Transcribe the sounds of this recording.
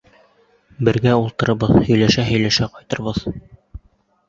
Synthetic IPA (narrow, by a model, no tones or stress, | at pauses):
bɘ̆ɾɡæulˠt̪ɤ̆ɾɤ̆bɤðhɵ̆jlæʃæɦɵ̆jlæʃæqɒjt̪ɤ̆ɾβɤð